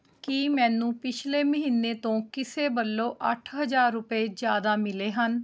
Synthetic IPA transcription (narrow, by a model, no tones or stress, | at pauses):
kiːmɛ̃ːnũːpɪt͡ʃʰleːməɦiːnːeːt̪õːkɪseːbəlːoːʔəʈʰɦəd͡ʒaːɾːʊpeːd͡ʒjaːd̪aːmɪleːɦən